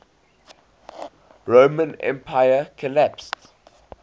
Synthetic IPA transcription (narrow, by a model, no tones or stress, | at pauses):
ɹoːmə̃nɛ̰̃mpʰaɪjəkʰɔlæpst